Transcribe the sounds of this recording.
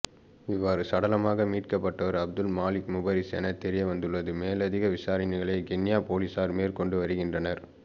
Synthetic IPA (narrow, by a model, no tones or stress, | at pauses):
ɪʋːaːɾɯsɐɽɐlɐmaːɣɐmiːʈkɐpːɐʈːɐʋɐɾɐb̚d̪ɯlmaːlɪkmʊbɐɾɪsɛ̰nɐt̪ːɛɾɪjɐʋɐnd̪ɯɭːɐðɯmeːlɐðɪɣɐʋɪsaːɾɐnɐɣɐɭɐɪɡɛnjaːpoːlisaːɾmeːrkɔɳɖɯʋɐɾɯɣɪndrɐnɐɾ